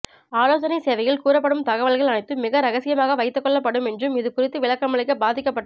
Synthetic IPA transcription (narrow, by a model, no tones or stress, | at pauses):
aːloːsɐnɪseːʋɐjɪlkuːɾɐpːɐɽɯmt̪ɐɣɐʋɐɭɣɐɭɐnɐɪt̪ːɯmɪɣɐɾɐɣɐsɪjɐmaːɣɐʋɐɪt̪ːɯkːɔɭːɐpːɐɽɯmɛndrɯmɪðɯkʊrɪt̪ːɯʋɪɭɐkːɐmɐɭɪkːɐbaːðɪkːɐpːɐʈːɯ